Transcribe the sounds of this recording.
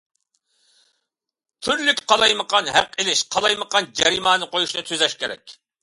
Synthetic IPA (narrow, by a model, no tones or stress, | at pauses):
t̪ʰyɾlykʲqʰɑlˠɑjməqʰɑnɦæ̰qelɪʃqʰɑlˠɑjməqɑnd͡ʒɛɾimɑːnɨqojuʃnɨt̪ʰyzɛʃkʲeɾɛ̰kʲ